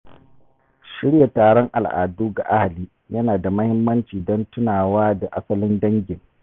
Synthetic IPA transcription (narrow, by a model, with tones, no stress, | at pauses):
ʃɪ˦ɽja˨taː˨ɽɔ˦ŋʔa̰˨lʔa̰ː˨duː˦ɡa̰˨ʔa˦ha˨liː˦ | jɐ˦naː˨da˨mɐ˦hɪ˦mːɐ˦nt͡ʃiː˨dɔ˦ntʊ˦naː˨waː˦da˨ʔa˦sɐ˦lɪ˦ndɐ˦ŋɡʲɪ˨ŋ